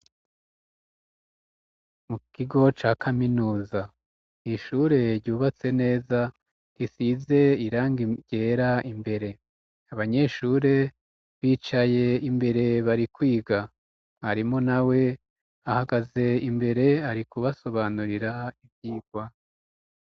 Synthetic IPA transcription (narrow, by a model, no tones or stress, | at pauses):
mukiɡo̞t͡ʃaːkʰaminuːza | iʃuːɾe̞ɾɟuːβat͡se̞ne̞ːza | ɾisize̞iɾaːŋɡiɟe̞ːɾaimbe̞ɾe̞ | aβaɲe̞ʃuːɾe̞ | βiːt͡ʃaje̞imbe̞ɾe̞βaɾikwiːɡa | haɾimo̞nawe̞ | ahaɡaze̞imbe̞ɾe̞aɾikuβaso̞βanuɾiɾaibjiːɡwa